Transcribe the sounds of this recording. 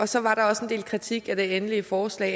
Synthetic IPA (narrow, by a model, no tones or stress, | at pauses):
ɒ̽sɒ̽ʋɑ̈ɾɑ̈ɒ̽se̝nd̥ḛːlkʰʁit͡sʰiɡ̥æd̥e̝enəliəfɒːslɛ̰ː